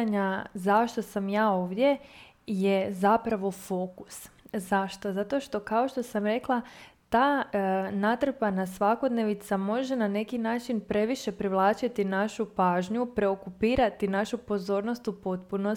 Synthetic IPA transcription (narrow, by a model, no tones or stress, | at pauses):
ɲazaʃt̪o̞samjaːo̞ːʋd̪je̞ | je̞zapɾaʋo̞fo̞kuszaʃt̪o̞zat̪o̞ʃt̪o̞kao̞ʃt̪o̞samɾe̞klˠat̪aːnat̪r̩panasʋako̞d̪ne̞ʋit̪samo̞ʒenane̞kinaːt͡ʃinpɾe̞ʋiʃe̞pɾiʋlˠaːt͡ʃit̪inaʃupaːʒɲupɾe̞okupiːɾat̪inaʃupo̞zo̞ːɾno̞st̪upo̞t̪puno